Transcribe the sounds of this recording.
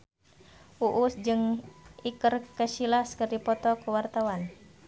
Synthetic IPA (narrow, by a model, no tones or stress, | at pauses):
ʔuʔusd͡ʒɨŋikərkəʃilaskərdipɔt̪ɔkuwart̪awan